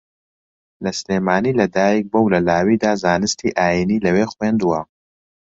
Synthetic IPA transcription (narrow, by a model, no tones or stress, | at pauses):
lɐsleːmaːniːlɐd̪aːjik̚bɐwlɐlaːwiːd̪aːzaːnɨst̪ʰiːʔaːjiniːlɐweːxweːnd̪uwɐ